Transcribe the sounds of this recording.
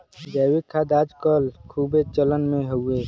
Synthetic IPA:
d͡ʒɛːwikʰad̪aːd͡ʒkəlkʰuːbʱet͡ʃələnmẽɦoeː

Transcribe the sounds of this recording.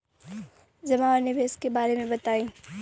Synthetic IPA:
zɐmaanɪʋeːskebaːɾemẽbɐt̪aːĩː

